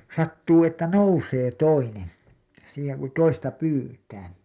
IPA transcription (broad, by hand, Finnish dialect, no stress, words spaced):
sɑtːuː etːæ nouseː toinen siːheŋ ku toistɑ pyːtæː